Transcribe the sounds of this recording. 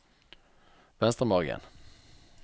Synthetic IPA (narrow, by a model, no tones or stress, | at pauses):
vɛnst̪əmɑːɾɡə̰n